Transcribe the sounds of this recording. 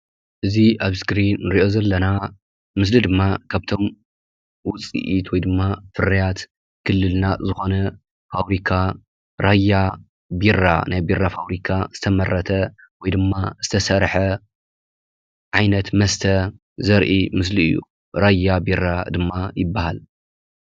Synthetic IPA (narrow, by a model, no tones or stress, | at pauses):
ʔɨziʔaβskɾinːɨɾiʔo̞zɐlːɐna | mɨs̬lid̪ɨmːakʰaβt̪ʰo̞m | wʊt͡sʼḭʔit̪wɔjd̪ɨmːafɨɾɐjat̪ | kʰɨlːɨlnazɨxo̞nɐ | faβɾikʰa | ɾajːa | birːa̰najbirːafaβɾikʰaz̥ɨt̪ʰɐmɐrɐt̪ʰɐ | wɔjd̪ɨmːaz̥ɨ̥t̪ʰɐsɐɾħɐ | ʕajnɐt̪mɐst̪ʰɐ | zɐɾʔimɨsliɨ̰jːṵ | ɾajːabirːad̪ɨmːajɪbːahal